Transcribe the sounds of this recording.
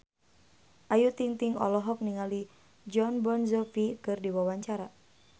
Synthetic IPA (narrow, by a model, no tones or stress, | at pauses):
ʔajut̪iŋt̪iŋɔ̰lɔɦɔk̚niŋali | d͡ʒɔnbɔnzɔfikɨrdiwawaɲt͡ʃaɾa